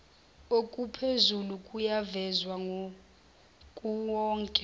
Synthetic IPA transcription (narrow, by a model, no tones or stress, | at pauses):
okʼupʰezulukʼujavɛzwaŋʱo | kʼuwɔːŋkʼɛ